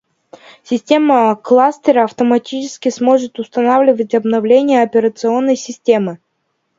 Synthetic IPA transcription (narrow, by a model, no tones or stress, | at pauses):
sʲɪsʲtʲeməklˠasʲt̪ʲəɾəɐft̪əmɐtʲit͡ɕɪskʲɪsmo̞ʐɨt̪ʊst̪ɐnavlʲɪvətʲɐbnɐvlʲenʲɪjəɐpʲɪɾət̪sɨo̞nːəjsʲɪsʲtʲe̞mɨ